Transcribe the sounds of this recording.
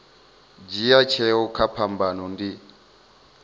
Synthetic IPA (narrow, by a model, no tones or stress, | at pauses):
d͡ʒijat͡ʃʰɛɔkʰapʰambanɔndi